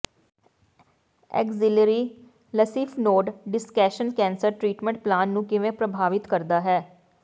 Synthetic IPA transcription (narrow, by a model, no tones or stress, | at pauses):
ɛ̰ːkzɪləɾiː | ləsiːfʰnoːɖɖɪskɛːʃənkɛ̃ːnsəɾʈɾiːʈmɛ̃ɳʈ̚plaːnːũːkɪʋẽːpɾəbʱaːʋɪt̪kəɾd̪aːɦɛː